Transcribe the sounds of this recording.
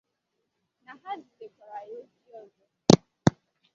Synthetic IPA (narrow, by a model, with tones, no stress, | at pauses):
na˨ɦa˦di˨de˨kʷa˨ɾa˨jo˦di˦ɔ˦˨zɔ˨˦